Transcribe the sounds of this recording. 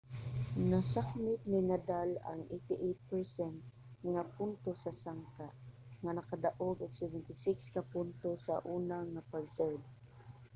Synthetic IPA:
nasak̚mɪt̪̚nɪnad̪ala̰ŋʔet̪ɪʔet̪̚pɛɹsɛnt̪̚ | ŋapʊnt̪osasaŋka | ŋanakad̪aʔoɡʊksɛvɛnt̪ɪsɪkskapʊnt̪osa̰ʔuːnaŋapaɡsɛɹd̪̚

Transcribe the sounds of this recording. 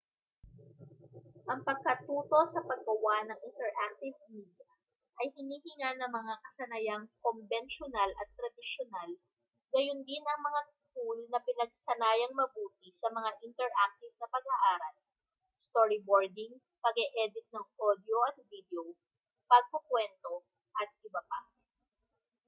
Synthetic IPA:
ʔɐŋpɐɡ̚kɐt̪uːt̪o̞sɐpɐɡ̚ːɐwanɐŋʔɪnt̪ɛɹʔak̚t̪ɪvmiːd̪jɐ | ʔɐjhɪniːhɪŋanɐŋmɐŋakɐsɐnɐjaŋkombɛnʃonalʔɐt̪ːɾɐd̪ɪʃonal | ɡɐjʊnd̪ɪnʔɐŋmɐŋa | kulnɐpɪnɐɡ̚sɐnaːjɐŋmɐbuːt̪ɪsɐmɐŋaʔɪnt̪ɛɹʔak̚t̪ɪvnɐpɐɡɐʔaːɾɐl | st̪oɾɪboɹd̪ɪŋ | pɐɡɛʔɛd̪ɪt̪̚nɐŋʔod̪joʔɐt̪̚vid̪ɛo | pɐɡ̚pokwɛnt̪o̞ | ʔɐt̪̚ʔɪbɐpa

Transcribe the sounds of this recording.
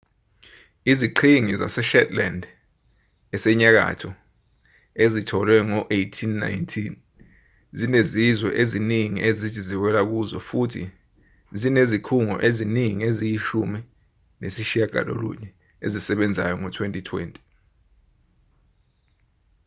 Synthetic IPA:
iziǃʰiŋiza̰sɛʃɛtʼlɛnd | ɛsɛɲak̬a̰tʰɔ | ezitʰɔlwɛŋɔʔejtʰinːa̰jntʰin | zinezizwɛ̰ʔeziniŋiʔezitʰiziwɛlak̬uzɔfutʰḭ | zinezikʰuŋɔ̰ʔeziniŋiezijiʃumi | nesiʃiaɡ̥ʱa̰lo̰lṵɲɛ | ḛzisɛɓɛnd͡zʱa̰jɔŋɔtʰwentʼitʰwɛ̰ːntʼi̥

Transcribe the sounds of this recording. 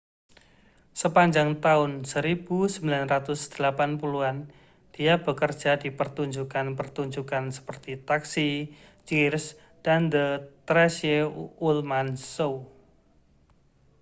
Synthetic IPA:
səpaɲd͡ʒaŋt̪aʊnsəɾib̥usəmbilanrat̪ʊsd̪̥əlapanpuluan | d̥iab̥əkərd̥ʒ̥adipərt̪uɲd͡ʒukanpərt̪uɲd͡ʒukansə̥pərt̪it̪aksit͡ʃirs | d̥and̪ət̪ɾɛsjeulmansow

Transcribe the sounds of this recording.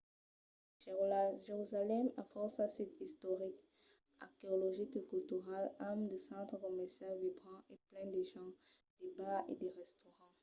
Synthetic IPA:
ʒ̥eʁlaʒeʁyzalɛma̰fɔsãsit̪ist̪ɔʁik | a̰ʁkeɔlɔʒikekylt̪yʁalamd̪əsɑ̃t̪χəkɔmɛʁsjalvibʁɑ̃eplɛ̃d̪əʒɑ̃ | d̪̥ebaḛd̪eʁɛst̪ɔʁɑ̃

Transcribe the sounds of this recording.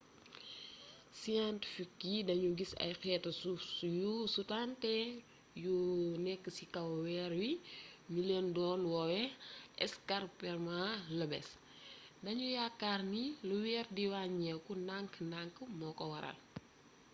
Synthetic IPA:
sijantifikːidɐɲuɡisɐ̰jxɛːtɐsujusutantɛ | junɛkːəsikɐwwɛːɾwiɲuleːndɔːnwɔwɛɛskarpɛrmaləbɛ̰s | dɐɲujakːarniluwɛːɾdiwaɲɛkunaŋknaŋkəmɔkɔwɐɾɐ̰l

